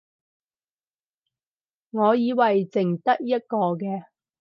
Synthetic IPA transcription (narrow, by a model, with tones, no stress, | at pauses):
ŋɔː˨˧jiː˨˧wɐ˨jt͡sɪ˨˩ŋt̪ɐ˥k̚jɐ˥t̚kɔː˧kɛː˧